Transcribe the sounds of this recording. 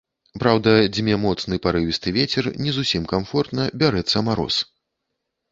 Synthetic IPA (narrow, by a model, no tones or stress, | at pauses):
pɾawd̪ɐd͡zʲmʲɛmɔt̪snɨpaɾɨvʲist̪ɨvʲet͡sʲɛrnʲɛzusʲimkamfɔrt̪nɐbʲaɾɛt̪sːɐmaɾɔ̰s